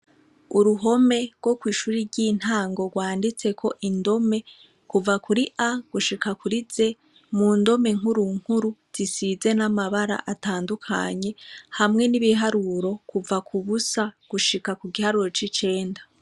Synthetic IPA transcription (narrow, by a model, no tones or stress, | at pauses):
uɾuɦo̞me̞ɾɡwo̞kwiːʃuːɾiɾɟiːn̥haːŋɡo̞ɡwaːndit͡se̞kʰo̞ʔindo̞me̞ | kuvakuɾiʔaɡ̥uʃikakuɾize̞ | mundo̞me̞ŋhuɾuŋ̥huɾuz̥isize̞namaβaɾa̰ʔataːndukʰa̰ɲe̞hamŋe̞niβiɦaɾuɾo̞kuvakʰuβusaɡ̥uʃikakuɡihaɾuɾo̞t͡ʃit͡ʃe̞ːnda